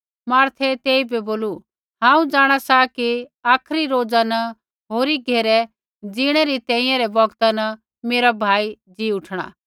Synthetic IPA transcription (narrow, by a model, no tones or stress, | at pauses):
maːɾt̪ʰɛt̪eːibɛboːlu | ɦãːũd͡zaːɽ̃asakiaːkʰɾiɾoːd͡zanɐ | ɦoːɾiɡʱeːɾɛ | d͡ziɽ̃ɛɾit̪ɛ̃ːĩjãɾɛbɐɡt̪anɐ | meːɾabʱaːid͡ziʊʈʰɽ̃a̰ː